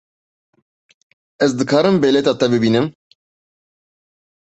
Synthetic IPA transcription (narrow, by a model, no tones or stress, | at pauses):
ɛzd̪ɨkʰɑːɾɨmbeːlɛt̪ɑːt̪ɛbɨbiːnɨm